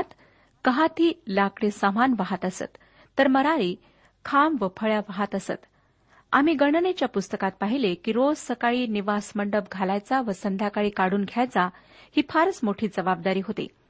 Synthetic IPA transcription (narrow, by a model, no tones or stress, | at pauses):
t̪ | kəɦat̪ʰiːlakɽesamanʋəɦat̪əsə̰t̪ː | əɾməɾaɾiː | kʰamʋəpʰəɭjaʋəɦat̪əsə̰t̪ | a̰m̤iːɡəɳnet͡ɕjapust̪əkat̪̚paɦilekiːɾod͡zsəkaɭiːniʋasməɳɖəp̚ɡʱalajt͡saʋəsənd̪ʱjakaɭiːkaɽuːnɡʱjajt͡sa | hiːpʰaɾsmoʈʰiːd͡zəʋab̚d̪aɾiːɦot̪ḛ